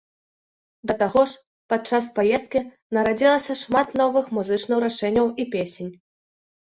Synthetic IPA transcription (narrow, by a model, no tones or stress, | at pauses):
d̪ɐt̪aɣɔʂ | pat̪̚t͡ʂaspajɛst̪̚kʲi | nɐɾad͡zʲilˠɐsʲɐʂmat̪nɔvɨxmuzɨt͡ʂnɨwɾaʂɛnʲːɐwʔipʲesʲenʲ